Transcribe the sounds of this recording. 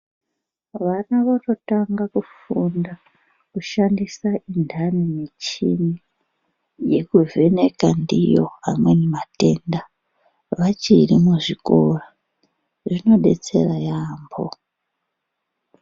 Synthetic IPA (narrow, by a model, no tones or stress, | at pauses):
ʋanaʋatotaŋɡakufunda | kuʃandisaindʱanimit͡ʃḭnii | je̞kuve̞ne̞kandijo̞̰a̰mwe̞nemate̞nda | ʋat͡ʃirimuʐiko̞ro | ʐino̞ɗe̞̰t͡se̞̰rajaːmbo̰